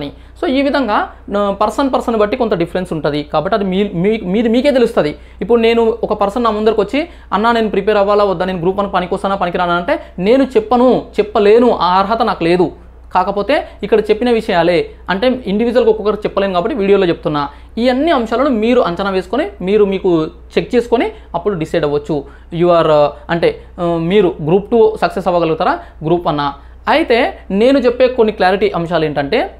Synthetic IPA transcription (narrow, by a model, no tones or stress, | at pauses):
ni | so̞ːiːʋid̪ʱɐŋɡaː | pɐɾsɐnpɐɾsɐnbɐʈːikot̪ɐɖipʰɐɾensuɳʈund̪ikaːbɐʈːiɐd̪iimimiːɾimiːke̞ːt̪̬elust̪ɐd̪i | ipːuɽune̞ːnuɔkɐpɐɾsɐnːaːmɐnd̪ɐɾikʋot͡ʃːi | ɐnːaːne̞ːnupɾipeːɾɐʋːaːlaːɐd̪ːaːnenuɡɾuːpːɐnkipɐnikʲɔst̪ɐnaːpɐnik̬iɾaːnaːɐɳʈe̞ːne̞ːnut͡ʃɛpːɐnut͡ʃɛpːɐle̞ːnuʔaːɾɦɐt̪ɐnaːkule̞ːd̪u | kaːkɐpo̞ːt̪e̞ːikːɐɽɐt͡ʃe̞pːinɐʋiʂɐjaːle̞ː | ɐɳʈe̞ːiɳɖiʋiːd͡ʒuʋɐlkokːɔkːɐɾt͡ʃɛpːɐle̞ːnukaːbɐʈːiʋiːɽijoloːt͡ʃep̚t̪unːaː | iːɐnːiɐmʂaːlɐnumiːɾuʔɐɲt͡ʃɐnɐʋe̞ːsu̥konimiːɾumiːku | t͡ʃek̚t͡ʃe̞ːsu̥koni | ɐpːuɽuɖisɐjɖɐʋɐt͡ʃːu | juʋaːɾɐɳʈe̞ː | miːɾuɡɾuːpʈusɐksesɐʋɐɡɐlɐɡut̪aːɾaɡɾuːpɐnːaː | ɐjit̪e̞ːne̞ːnut͡ʃepːe̞ːkonːiklaːɾiʈiʔɐmʃaːlue̞ːɳʈɐɳʈe̞ː